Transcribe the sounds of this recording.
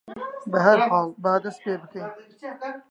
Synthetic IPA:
bɐɦɐɾhɑːlbaːd̪ɐspeːbɨkʰɐj

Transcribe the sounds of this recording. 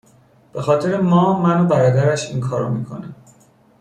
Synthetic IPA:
b̥e̞xɒːt̪ʰe̞ɾemɒːmænobæɾɒːd̪æɾæʃinkʰɒːɾo̰miːkʰo̞̰næ

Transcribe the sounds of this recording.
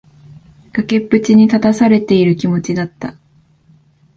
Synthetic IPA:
ɡ̥ake̞pːɯ̟t͡ɕiɲ̟it̪at̪asaɾe̞t̪e̞iɾɯ̟kʲimo̞t͡ɕid̪at̪ːa

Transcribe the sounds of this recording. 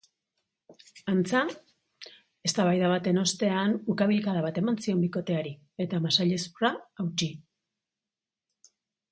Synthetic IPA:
ant͡sa | e̞st̪aβajðaβat̪e̞no̞st̪e̞anukaβilkaɾaβat̪e̞mansio̞mbiko̞t̪e̞aɾi | e̞t̪amasaʎe̞spuraawt͡ʃi

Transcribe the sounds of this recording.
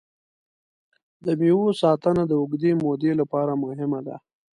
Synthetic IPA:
d̪əmewosɑt̪ənad̪əʊɡd̪emod̪elapɑɾamʊɦɪmad̪a̰

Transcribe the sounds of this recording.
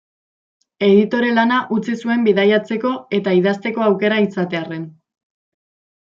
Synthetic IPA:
e̞ðit̪o̞ɾe̞lanaʔut͡sisue̞mbiðajat͡se̞ko̞e̞t̪aiðast̪e̞ko̞awke̞ɾaisat̪e̞are̞n

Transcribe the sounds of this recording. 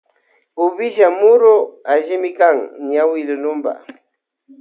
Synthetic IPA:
ʊβɪʒamʊɾoaʒɪmɪkaŋɲawɪlʊnʊmba̰

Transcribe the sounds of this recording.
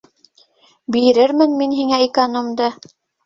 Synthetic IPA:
biɾɘɾmɘnminɦiŋæikɐnomd̪ɤ

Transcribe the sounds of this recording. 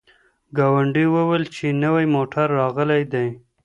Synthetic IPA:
ɡɑwaɳɖiwəwəlt͡ʃenəwajmoʈʰaɾːɑɣəlajd̪aj

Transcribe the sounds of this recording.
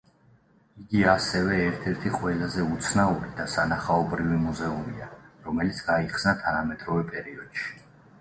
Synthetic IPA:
iɡiasɛvɛːɾt̪ʰɛɾt̪ʰiqʼwɛlazɛut̪sʰnauɾid̪̥asanaχaɔbɾivimuzɛumiaɾɔmɛlit̪sʰɡ̥aiχsnat̪ʰanamɛt̪ʼɾɔvɛpʼɛɾiɔd̪̥ʃi̥

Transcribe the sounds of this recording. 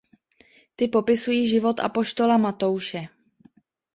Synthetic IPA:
t̪ɪpo̞pɪsujiːʒɪvo̞t̪ʔa̰po̞ʃt̪o̞lamat̪o̞wʃɛ

